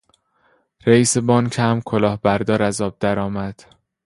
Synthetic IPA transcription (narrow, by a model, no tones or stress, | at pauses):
ɾeiːsebɒːncʰæmkʰolɒːhbæɾd̪ɒːɾæzɒːb̚d̪æɾɒːmæd̪̥